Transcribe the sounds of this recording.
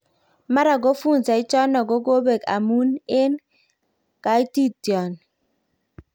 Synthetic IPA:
ma˦ɾa˨ɡo˦fu˦˨n˨sa˨i˦t͡ʃɔ˦nɔ˨ɡo˦ɡo˦be˨ka̰˨mu˦ne˦n | ka˦i˦ti˦˨tjɔ˨n

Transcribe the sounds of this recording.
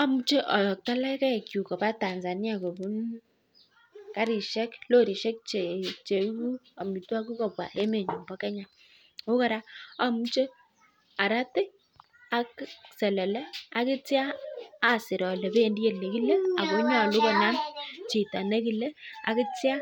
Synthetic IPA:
a˦mu˦t͡ʃe˦ʔɔ˨ɔ˨k̚ta˦lɛ˦kɛ˦˨kju˨kɔ˨pa˦ta˨nza˨nja˦˨ko˨bu˦n | ka˦ɾi˨ʃɛ˦klo˦ɾi˨ʃɛ˦k̚t͡ʃe˨t͡ʃe˨˦ku˦a˨mi˨twa˦ku˦kɔ˨pwa̰˨ʔe˦me˨ɲu˨mbɔ˦kɛ˦ɲa˨ | o˦ka˨ɾa˦a˦mu˦t͡ʃe˦ | a˨ɾa˦tɛ˦ | a˦ksɛ˨lɛ˨lɛ˦a˦kɪ˦t͡sjaː˦˨ | sɪ˨ɾɔ˨lɛ˨be˦˨ndi˦je˨le˨ki˦le˦a˨ko˨˦ɲa˦˨lu˦kɔ˨na˦nt͡ʃi˨ta˨ne˦ki˨lɛ˦a̰˨kɪ˦tja˦

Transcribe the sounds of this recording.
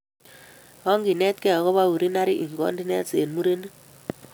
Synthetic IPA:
ɔ˦ŋɡi˨nɛ˦t̪̚kɛ˦ɔ˨kɔ˦βa˦wu˨ɾi˦na˦ɾi˦ʔi˨ŋɡɔ̰˦ndi˦nɛ˦t͡se˨nmu˦ɾe˦n˦

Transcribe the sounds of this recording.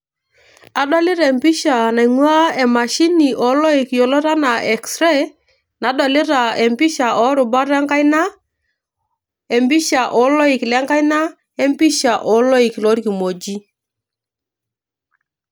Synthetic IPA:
a˨dɔ˦lɪ˦ɾɛ˨mpi˦ʃa˨na˨ŋwa˦e˨ma˨ʃi˦ni˨ʔɔ˨˦lɔ˦i˨kjo˨lo˦ɾa˦na˨ɛ˨ksɾɛ˦ | na˨˦dɔ˨li˦ɾa˨e˨mpi˦ʃa˨ʔɔ˨˦ɾʊ˨ba˦ɾɛ˦ŋka˦jna˦ | e˨mbi˦ʃa˨ʔɔ˨˦lɔ˦i˨klɛ˦ŋka˦jna˦ | e˦mpi˦ʃa˨ʔɔ˨˦lɔ˦i˨klo˨˦ɾki˨mo˨d͡ʒi˦

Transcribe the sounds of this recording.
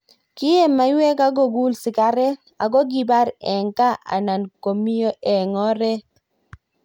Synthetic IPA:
kɪ˦e˦ma˨˦jwɛ˦ka˦ɡo˦˨ɡu˦lsɪ˨ka˨˦ɾɛ˦ | a˨ɡɔ˦ɡi˦˨ba˦ɾɛ˨ŋka˦ʔa̰˨na˨nko˨mi˦jo˦ʔɛ˨ŋɔ˦ɾɛ˦

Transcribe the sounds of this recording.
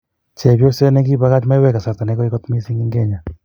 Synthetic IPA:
t͡ʃe˨bjo˦sɛ˦nɛ˦ɡi˦ba˦ka˦t͡ʃma˦jwɛ˦ka˨sa˨ɾt̪a˨nɛ˨˦kɔ˦ɪ˦kɔ˦t̪mi˦si˦ŋi˦ŋɡe˦ɲa˨

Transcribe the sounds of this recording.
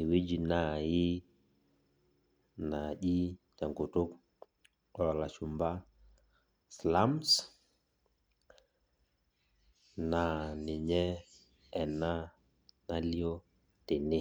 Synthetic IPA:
i˨we˦d͡ʒi˨na˨ji˦ | na˨ʄi˦ta˨ŋɡo˨to˦k | ɔ˨la˨ʃu˨mba˦ | sla˦ms | na˨ni˨ɲɛ˦ | ɛ˨na˦ | na˦li˦ɔ˦ | te˨nɪ˦˨

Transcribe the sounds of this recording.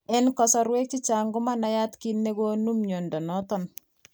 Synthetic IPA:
ɛ˦nkɔ˨sɔ˨ɾwɛ˦k̚t͡ʃi˦t͡ʃa˨ŋɡʊ˦ma˦na˦ja˦tki˦nːe˦ɡo˦nu˦mɲo˨ndɔ˨nɔ˦tɔ˦˨n

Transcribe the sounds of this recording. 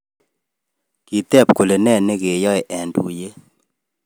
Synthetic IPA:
ki˨t̪ɛ˦˨pko˨le˨nɛ˦˨ne˦ke˨jɔ˦e˨ʔɛ˨ndṵ˨je˦

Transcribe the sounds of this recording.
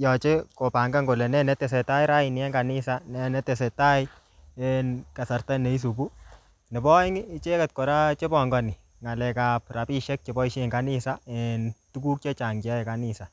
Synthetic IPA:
jɔ˨t͡ʃe˦ko˨pa˨ŋɡa˦ŋɡo˨lɛ˨nɛ˦nɛ˦te˨sɛ˨ta˦jɾa˦i˨n˨ɛ˦ŋɡa˨nɪ˦sa˦nɛ˦nɛ˦te˨sɛ˨ta˦j | enka˨sa˨rta˦ne˨i˦s̬u˨bu˦ | nɪ˨bɔ˦ŋ˦t͡ʃe˦kɛ˨t̚ko˨ɾa˦t͡ʃe˦bɔ˨ŋɡɔ˨ni˨ | ŋa˨lɛ˨ka˨p̚ra˨pi˦ʃɛ˦k̚t͡ʃe˨bɔ˦i˦ʃe˦˨ŋɡa˦ni˦sa˦ɛntu˦ku˦k̚t͡ʃe˦t͡ʃa˨ŋɡa˦ɛ˨ka˨ni˨sa˨

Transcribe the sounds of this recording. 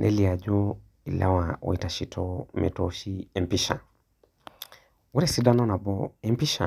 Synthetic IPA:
nʔɛ̰˦li˨a˨d͡ʒɔ˦ | i˨la̰˦wa˨wɔ̰˨i˨ta˨ʃi˨tʰɔ˦mɛ̰˨tɔʃi˦ɛ˨mpiʃa˨ | wu˦ɾɛ˦si˦da˦nɔ˦na˨bɔ˦ɛ˦mpi˦ʃa˨

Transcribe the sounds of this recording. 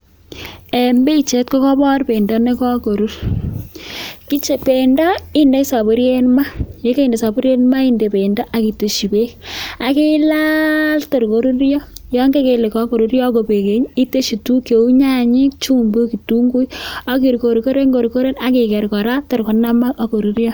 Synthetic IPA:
e˨mbe˦˨t͡ʃe˨˦tkɔ˦kɔ˦bɔ˦rpe˨ndɔ˦ne˦kɔ˦ko˨ɾu˦ɾ | ki˦t͡ʃe˨pe˨ndɔ˦i˦nde˦sa˨bo˦ɾje˦nma˦je˦ke˦i˨nde˨sa˨bu˦ɾje˦nma˦i˦nde˨pe˨ndɔ˦ʔa˨ki˨te˨ʃi˨be˦ka˨ki˦lalto˨ɾko˨ɾu˦ɾjɔ˦jɔ˦ŋɡe˦ke˨le˨kɔ˦ko˨ɾu˨ɾjɔ˦ko˨pe˨ke˨ɲi˦te˦ʃi˨tu˦ke˨u˦ɲa˦ɲi˦k̚t͡ʃu˦mbu˦ki˨tu˦ŋɡu˦jɔ˦ki˨ɾko˨ɾko˦ɾe˦ŋɡo˨ɾu˨ko˦ɾe˦na˨ki˨kɛ˨ɾkɔ˨ɾa˦to˨ɾko˨na˦ma˦ʔɔ˦ko˨ɾu˦ɾjɔ˦

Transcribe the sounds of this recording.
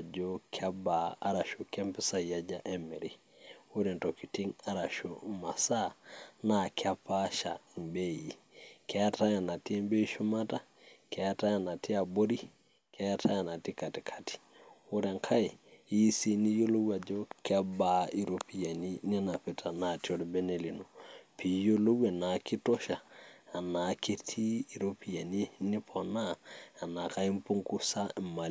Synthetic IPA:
d͡ʒɔ˦kʰa˦baː˨˦ɾa˨ʃo˨kɛ˦mpɪ˦sa˦i˨a˦d͡ʒa˦ʔɛ˦mɛ˨ɾi˦ | o˦ɾɛ˨n˨tɔ˨ki˨ti˦ŋa˨ɾa˨ʃo˨ma˨sa˦na˨kʰɪ˦a˦pa˦ʃa˨mbe˦i˨ | kʰɛ˨˦a˦ta˦ja˨na˨tɛ˦m˦be˦i˦ʃu˦ma˦ta˦ | ka˨ja˦ta˦ja˨na˨ti˦a˨bo˦ɾi˦ | ka˦ja˦tʰa˦ja˨na˨ti˦ka˨tɪ˨kʰḁ˨ti̥˨ʊ˦ɾa˨ŋkʰa˦i˨i˦si˨ni˦jo˦lo˦wa˨d͡ʒo˦ka˦ba˦˨i˨ɾo˨pi˦ja˨ni˦ni˦na˨pɪ˨tʰa˨na˨ti˦o˦ɾbe˦ne˨li˨no˨pʰi˨˦jo˦lo˦we˨na˨kɪ˦to˦ʃaː˨na˨˦ke˦tʰi˦i˨ɾo˦pi˨ja˨ni˦nɪ˦pʰɔ˨naː˦˨na˨ka˦i˦m˦pu˦ŋku˦sa˦˨ma˨

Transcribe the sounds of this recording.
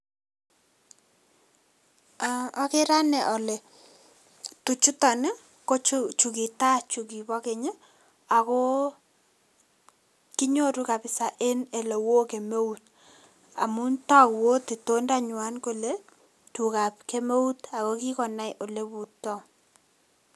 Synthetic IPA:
a˨ɔ˦ke˦ɾa˦nɛ˨ʔɔ˨le˨ | tu˨t͡ʃu˦tɔ˨ne˦ | ko˦t͡ʃt͡ʃu˨ki˨ta˦t͡ʃu˨ki˨bɔ˦ke˨ɲe˦ | a˨kɔ˦ | ki˦ɲo˦ɾu˦ka˨pɪ˨sa˨ʔe˦ne˨le˨wo˦ke˨me˦u˦t | a̰˨mu˦ntɔ˦kwo˦te˨to˦nda˦ɲʊ˨a˦nko˦le˦ | tu˨ka˨pke˦me˦u˦ta˨kɔ˦ki˦kɔ˨na˦jʔo˨le˦bu˨tːɔ˦

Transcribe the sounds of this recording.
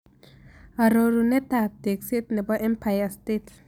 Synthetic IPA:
a˨ɾo˨ɾu˨nɛ˦ta˨t̚de˨kse˦tnɛ˨bɔ˦ʔɛ˦mpʰajastet

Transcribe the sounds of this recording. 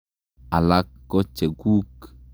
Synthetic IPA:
a˨la˦kːɔ˦t͡ʃːe˨ɡu˦k

